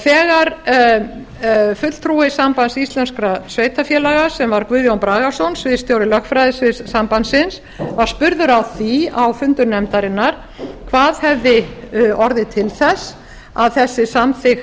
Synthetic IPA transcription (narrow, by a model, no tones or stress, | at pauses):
θɛːɣaɾ | fʏt̪l̥t̪ʰɾuɪsampansist̪lɛnskɾasveːjt̪afjɛlaɣḁsɛmvaɾkvʏːðjownpɾaːɣḁsownsvɪðst̪joːwɾɪlœxkfɾajðɪsɪsampansɪns | vaɾ̥spʏɾðʏɾawθiawfʏnt̪ʏɾnɛmt̪aɾɪnːaɾ̥ | kʰvaːðhɛvðɪɔɾðɪt̪ʰɪlθɛs | aðθɛsːɪsamθɪx